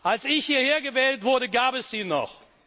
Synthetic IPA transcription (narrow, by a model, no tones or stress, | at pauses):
ʔalsɪçhiːɐheːɐɡəvɛːltv̥ʊɐɾəɡaːpɛsz̥iːnɔ̰χ